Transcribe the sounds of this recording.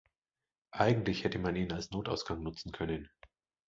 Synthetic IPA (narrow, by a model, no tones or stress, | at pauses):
ʔaɪɡŋ̩tlɪçhɛtəmaniːnalsnoːtaʊsɡ̥aŋnʊt͡sn̩kʰœnən